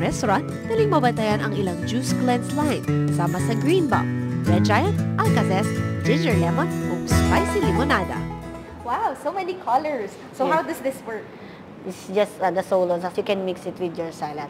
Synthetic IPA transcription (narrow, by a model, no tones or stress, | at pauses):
ɾɛst̪oɾant̪̚b̥̪ɐlɪŋmɐbɐnt̪ɐjanɐŋɪlaŋd͡ʒusklɛnslajnsaːmɐsɐɡɹĩnba̰w̚d͡ʒɛd͡ʒajɐ̃nʔɐl̚kɐsɛsd͡ʒɪnd͡ʒɛɹlɛmõnkʊmspajsilɪmonad̪ɐ̰ | wawsowmɛnikʰɔlɛɹs | sohawd̪ɐsd̪ɪswɜ˞k̚ | ɪtsd͡ʒɐst̪d̪ɐsowlosajukɛ̃nmɪksɪt̪wɪd̪jɔɹsajlɐ̃n